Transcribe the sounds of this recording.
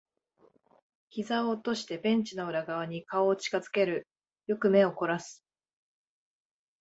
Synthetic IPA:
çʲizaoːt̪o̞ɕi̥t̪e̞bẽ̞ɲt͡ɕinaɯ̟ɾaɡaβ̞aɲ̟ikao̞ːt͡ɕi̥kazɨ̥ke̞ɾɯ̟ | jo̞kɯ̟me̞o̞ko̞ɾasɨ̥

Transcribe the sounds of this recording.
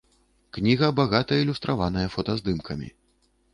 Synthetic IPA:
knʲiɣɐbaɣat̪ɐilʲust̪ɾʔavan̪ɐjɐfɔt̪ɐzd̪ɨmkʰɐmʲḭ

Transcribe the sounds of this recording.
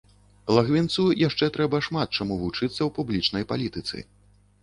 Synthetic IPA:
lˠaɣvʲint̪sujaʂt͡ʂɛt̪ɾɛbɐʂmat̪̚t͡ʂamuvut͡ʂɨt̪sːɐwpublʲit͡ʂnɐjpalʲit̪ɨt̪sɨ̰

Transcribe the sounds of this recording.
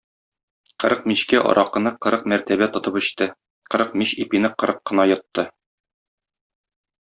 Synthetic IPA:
qɤ̆ɾɤq̚miɕkæʔɒ̰ɾʔɑqɤ̆nɤqɤ̆ɾɤqmæɾt̪æbæt̪ŏt̪ɤpɵ̆ɕt̪ɘ | qɤ̆ɾɤq̚miɕipinɘqɤ̆ɾɤqːɤ̆nɑjɤ̆t̪ːɤ

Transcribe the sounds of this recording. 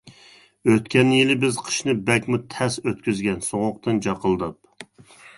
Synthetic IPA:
øt̪kʲɛnjilɪbɪzqʰə̥ʃnɨbɛkʲmut̪ʰɛsøt̪kʲyzɡʲɛnsoʁʊq̚t̪ɨnd͡ʒɑqʰəlˠd̪ɑp̚

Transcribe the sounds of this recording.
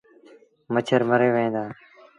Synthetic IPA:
mət͡ʃʰəɾməɾeːʋəẽːd̪aː

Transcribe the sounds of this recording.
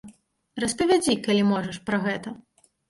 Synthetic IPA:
ɾɐspɐvʲad͡zʲikalʲimɔʐɐʂpɾɐɣɛt̪ɐ

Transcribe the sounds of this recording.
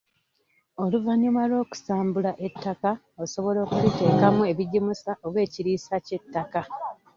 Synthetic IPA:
o̞luvaɲːimalo̞ːku̥saːmbulaʔe̞tʰːaka | oso̞βo̞lo̞ːkuβite̞ːkamue̞βiɟimusaʔoβwe̞ːciɾiːsace̞tːaka

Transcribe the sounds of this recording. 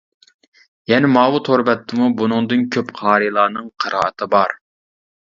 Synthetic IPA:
jɛnɪmɑːwut̪ʰoɾbɛt̪ʰːɨmubunɨŋd̪ɨnkʲʰøpqʰɑːɾijlˠɑːnɨŋqʰəɾʔɑ̰ːʔət̪ʰɨbɑɾ

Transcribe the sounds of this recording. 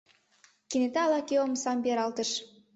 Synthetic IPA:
kinet̪ɑɑlɑkeomsɑmbʲeɾɑlt̪ə̆ʃ

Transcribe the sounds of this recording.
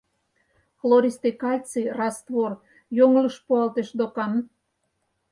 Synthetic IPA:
floɾʲist̪ekɑlʲt͡serɑst̪βor | joŋləʃpuɑlt̪eʃd̪okɑn

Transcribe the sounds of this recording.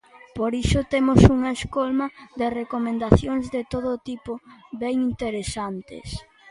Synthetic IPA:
poɾiʃʊt̪emosuŋɐeskolmɐðerekomẽnd̪aθjoŋzðet̪oðot̪ipoβɛŋint̪eɾesant̪ḛs

